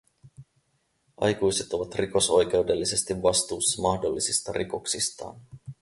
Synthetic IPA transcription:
ʔɑ̰jkujse̞t̪o̞ʋɑt̪riko̞so̞jk̟e̞wdelːise̞st̪iʋːɑst̪uːsːɑmɑhdo̞lːisist̪ɑ̰ɾʔiko̞ksist̪ɑ̰ːn

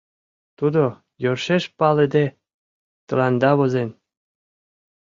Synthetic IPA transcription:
t̪ud̪o | jorʃeʃpɑled̪e | t̪ɤ̆lɑnd̪ɑβozen

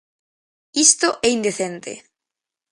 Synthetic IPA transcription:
ist̪oʔɛind̪eθent̪ḛ

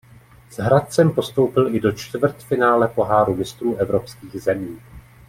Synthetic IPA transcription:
z̥ɦɾat̪̚t͡sɛmpo̞st̪o̞wpɪlʔɪdo̞t͡ʃt̪vr̩t̪fɪnaːlɛpo̞ɦaːɾumɪst̪ɾuːʔɛvɾo̞pskiːɣzɛmiː

